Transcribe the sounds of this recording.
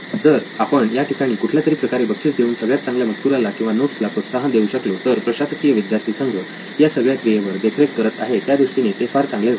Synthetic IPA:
d͡zəɾapəɳjaʈʰikaɽ̃iːkuʈʰljat̪əɾiːpɾəkaɾebʱəkʂiːtd̪euːnsəɡɭjat̪t͡sãŋɡljam̤ət̪k̪uɾalakĩw̃ʋanoʈslakot̪səɦãd̪euɕəklot̪əɾpɾəɕasəkijəʋid̪jaɾt̪ʰiːsəŋɡʱə | jasəɡɭjaskɾijeʋəɾd̪ekʰɾekkːəɾət̪a̰ɦet̪jad̪iʂʈinet̪efaɾt͡sãŋɡled͡zʱa

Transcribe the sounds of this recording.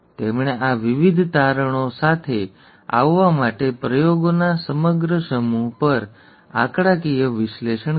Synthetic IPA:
t̪emɳ̃eʔaʋiʋid̪ʱt̪aɾəɳ̃osat̪ʰe | a̰ʋːamaʈepɾəjoɡonasəməɡɾəʃəmupəɾ | a̰kɽakijəʋɪʃleʃəɳ

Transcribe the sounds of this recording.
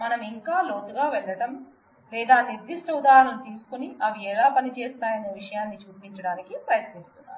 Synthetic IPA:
mɐnɐmiŋkaːlo̞ːt̪uɡaːʋɛlːɐʈɐm | lɛːd̪aːniɾd̪iʂʈɐud̪aːɾɐɳɐnt̪iːsu̥kuniɐʋiɛːlaːpɐnit͡ʃɛːst̪aːjɐneːʋiʂɐjaːnːit͡ʃuːpiɲt͡ʃɐɽaːnikipɾɐjɐt̪nist̪unːa̰ːɾu

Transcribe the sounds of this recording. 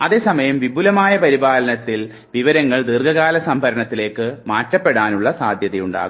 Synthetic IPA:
ɐðe̞ːsɐmɐjɐmʋibʱulɐmaːjɐpɐɾibaːlɐnɐt̪ːil | ʋiʋɐɾɐŋːɐɭd̪irɡʱɐɣaːlɐsɐmbʱɐɾɐɳɐt̪ːile̞ːkːɨmaːtːɐpːe̞ɽaːnuɭːɐsaːd̪ʱjɐðɐjuɳɖa̰ːɣu

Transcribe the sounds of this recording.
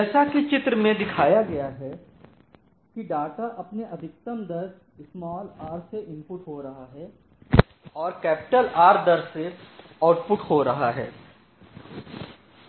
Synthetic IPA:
ɛːsakit͡ʃɪt̪ɾəmẽd̪ɪkʰaːjaɡɐjaɦɛ | kiɖaːʈaʔɐpneʔɐd̪ʱɪk̚t̪əmd̪ɐɾs | ɪsmaːlaːɾseʔɪ̃mpʊʈɦoɾɐɦaɦɛː | ɔːɾkɛːpɪ̥ʈəlaːɾd̪ɐɾseaːʈpʊʈhoɾɐɦaɦɛ̰ː

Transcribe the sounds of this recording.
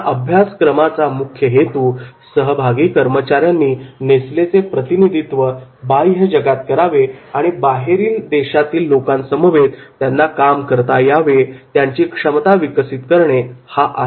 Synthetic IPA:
ʔəbʱjaskɾəmat͡samukʰjəɦet̪uːsəɦəbʱaɡiːkəɾmət͡ɕaɾjanːiːneslet͡sepɾət̪inid̪ʱit̪ʋəbajɦəd͡ʑəɡat̪̚kəɾaʋeaɽ̃ibaɦeɾiːld̪eɕat̪iːlːokãnsəməʋet̪t̪ːjanːakamkəɾt̪ajaʋet̪jaɲt͡ɕiːkʂəmt̪aʋiksit̪kəɾɳehaʔa

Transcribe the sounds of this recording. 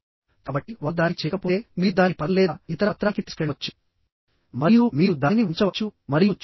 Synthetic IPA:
kaːbɐʈːiʋɐd̪aːɾit͡ʃɛːkɐpojemiːd̪aːɾipɐɾlɛːd̪it̪ɐɾɐt̪ːɾaːkit̪i̥skɐɽʋɐt͡ʃːu̥ | mɐɾijumiːɾud̪aːiniʋuɲt͡ʃɐʋɐt͡ʃːumɐɾijut͡ʃːu̥

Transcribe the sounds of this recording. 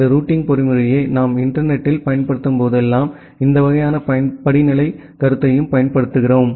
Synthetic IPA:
d̪ɐɾuːʈːɪŋɡpɔɾɪmɯɾɐjeːnaːmɪɳʈɐɾnɛʈːɪlpɐjɐnpɐɽɯt̪ːɯmpoːðɛlːaːm | ɪnd̪ɐʋɐɣɐjaːnɐpɐɐnpɐɽɪnɪlɐɪ | kɐɾɯt̪ːɐjɯmpɐjɐnpɐɽɯt̪ːɯɣɪroːm

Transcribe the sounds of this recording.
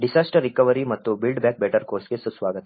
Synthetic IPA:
ɖisaːsʈəɾːikɐʋəɾimɐt̪ːubilɖbɛːk̚beːʈəɾkoːɾskesusʋaːɡət̪

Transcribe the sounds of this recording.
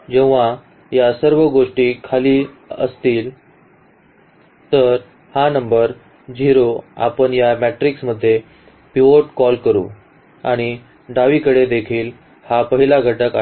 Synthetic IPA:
d͡ʑeʋːa | jasəɾʋəɡoʂʈiːkʰaliː | ə̰st̪iːl | t̪əɾ | hanəmbəɾ | d͡ʑiɾoa̰pəɳjamæʈɾiksməd̪ʱːje | piʋoʈkɔlkəɾṵː | aɽ̃i | ɖaʋikəɽed̪ekʰiːl | hapəɦilaɡʱəʈəka

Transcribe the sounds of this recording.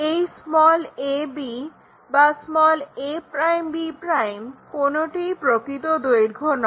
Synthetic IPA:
ejsmɔlebi | basmɔlepɾajmbipɾajmkonoʈipɾokɾit̪od̪ojɾɡʱonɔ

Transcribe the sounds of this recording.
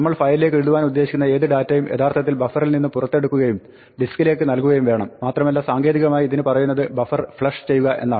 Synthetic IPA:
nɐmːɐɭfɐjile̞ːkːeɻuðuʋaːnud̪ːe̞ːɕikʲːunːɐe̞ːðɨɖaːtːɐjumʔe̞t̪ʰaːrt̪ʰɐt̪ːilbɐfɐrilninːɨpurɐt̪ːe̞ɽukːuɣɐjum | ɖiskːile̞ːkːɨnɐlkuɣɐjumʋe̞ːɳɐmːaːt̪rɐmɐlːasaːŋɡe̞ːðiɣɐmaːjiiðinɨpɐrɐjun̪ːɐðɨbɐfɐrfɭɐʂt͡ɕe̞jːuɣɐʔe̞̰nːaː

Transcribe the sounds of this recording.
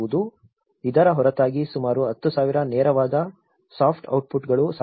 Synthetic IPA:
ud̪u | id̪ɐɾɐɦɔɾɐt̪aːɡisumaːɾuɐt̪ːusaːʋiɾɐnɛːɾɐʋaːd̪ɐ | saːpʰʈɐ̰wʈ̚puʈɡɐɭusa

